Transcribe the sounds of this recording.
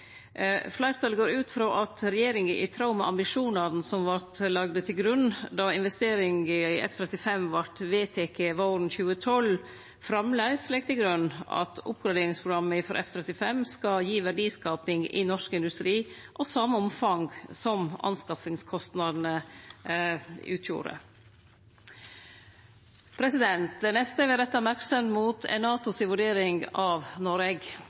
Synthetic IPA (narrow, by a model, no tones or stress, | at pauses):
flæɪɾt̪ʰɑləɡoːɾʉːt̪fɾoːʔɑt̪ɾɛjeːɾɪŋəʔɪt̪ʰɾɑʊmɛʔɑmbɪʂuːnɑɾn̩sɔmʋɑʈlɑɡd̪ət̪ʰɪlɡɾʉnːd̪ɑɪnʋɛst̪eːɾɪŋəɪʔɛ̰ft̪ʰɾɛt̪ɪfɛmʋɑʈʋeːt̪ʰeːkʰeːʋɑoːɾnçʉːət̪ʰɔl | fɾɑmlæɪslɛɡ̚t̪ʰɪlɡɾʉnːɑ̰t̪ʰʊ̰p̚ɡɾɑd̪eːɾɪŋspʰɾʊɡɾɑmːəɪfɔɾʔɛ̰ft̪ʰɾɛt̪ɪfɛmskɑjiːʋæɖiːskɑːpɪŋɪ̰nɔʂkɪnd̪ʉst̪ɾiː | ʔɔsɑməɔmfɑŋɡsɔmɑ̰nskɑfɪŋskʰɔst̪nɑd̪n̩ə | ʔʉ̰ːt̪ʰjṵːɾə̰ | pʰɾɛsɪd̪ɛnt̪̚d̪ɛnɛst̪əʋɪɾɛt̪ːɑmæɾksəmt̪muːt̪ʰɛ̰nɑːt̪ʊsɪʋʉɖeːɾɪŋɡɑʋnɔɾɛɡ